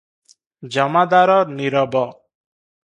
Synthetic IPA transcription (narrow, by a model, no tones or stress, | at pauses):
d͡ʒɔmad̪aɾɔniɾɔbɔ